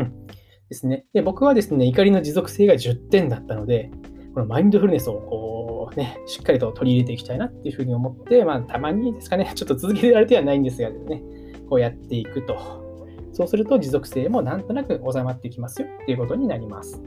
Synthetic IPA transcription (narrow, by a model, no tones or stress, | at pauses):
ɯ̃ | d̪̥e̞sɨne̞d̪̥e̞bo̞kɯ̟βad̪e̞sɨneikaɾʲino̞d͡ʑizo̞kɯ̥se̞ːɡaʑɨt̪ːẽ̞nd̪at̪ːano̞d̪e̞ko̞nomaĩnd̪o̞ɸɯɾɯ̟ne̞sɨo̞ko̞ːne̞ɕi̥kːaɾʲit̪o̞t̪o̞ɾʲiːɾe̞t̪̬e̞ikʲi̥t̪ainat̪ːe̞iɯ̟ɸɯ̟ːɲ̟io̞mo̞t̪ːe̞maːt̪ʰamaɲ̟id̪e̞sɨ̥kane̞t͡ɕo̞t̪ːo̞t͡sɨzɨk̬e̞t̪eɾaɾɯt̪eanaĩnd̪esɨɡad̪esne̞ | ko̞ːjat̪ːe̞ikɯ̟t̪o̞ | so̞ːsɨɾɯ̟t̪o̞d͡ʑizo̞kɯ̟̥se̞ːmo̞nãnt̪o̞nakɯ̟ʔo̞samat̪ːe̞ikʲimasɨjo̞t̪ːe̞iɯ̟ko̞t̪o̞ɲ̟inaɾʲimasɨ̥